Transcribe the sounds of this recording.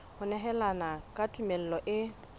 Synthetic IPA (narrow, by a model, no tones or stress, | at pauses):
hʊnɛɦɛlanakʼatʼumel̩lɔʔɪ